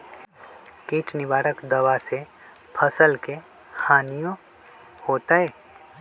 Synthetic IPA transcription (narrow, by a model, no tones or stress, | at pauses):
kiːt͡ʃnɪbaːɾəkd̪ɐʋase | pʰəsəlke | haːnijõ | hoːt̪aɦɛː